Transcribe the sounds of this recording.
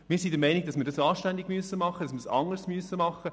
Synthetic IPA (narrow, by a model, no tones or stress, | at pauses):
miːɾsid̪əɾmɛɪniɡ̥̚d̥ɑsmɪːɾdɑsɑːʃtænd̪iɡmyəsəmɑχːədɑsmɪsɑ̰ŋəɾsmyəsːəmɑχə